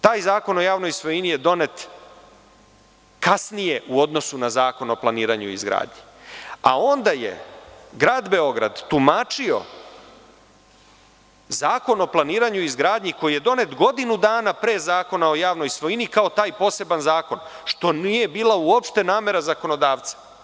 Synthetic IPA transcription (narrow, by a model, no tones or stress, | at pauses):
t̪aːjzaːko̞no̞jaːʋno̞jsʋo̞jinije̞d̪o̞ne̞t̪ | kasnije̞ʔuo̞d̪no̞sunazaːko̞no̞planiːɾaɲuḭzɡɾa̰ːd̪ɲi | a̰o̞nd̪ajḛɡɾaːd̪be̞o̞ɡɾa̰d̪t̪umaːt͡ʃio̞̰ | zaːko̞no̞plˠaniːɾaɲuizɡɾaːd̪ɲiko̞jije̞d̪o̞ne̞t̪ɡo̞d̪inud̪aːnapɾeːzaːko̞nao̞jaːʋno̞jsʋo̞inikaot̪aːjpo̞ːse̞banzaːko̞nʃt̪o̞nije̞biːlˠauopʃt̪enaːme̞ɾazako̞no̞d̪aːʋt̪sḁ